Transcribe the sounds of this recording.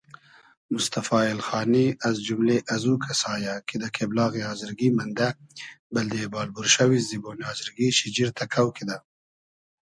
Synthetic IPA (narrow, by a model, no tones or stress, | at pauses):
mʊst̪afɑːɪlxɑːniazd͡ʒumleʔazukʰasɑːjakʰid̪əkʰeblɑːɣiɑːzɪɾɡimand̪abɪld̪ebɑːlbuɾʃawizibonɑːzɪɾɡiʃɪd͡ʒiɾt̪ʰakʰawkʰid̪a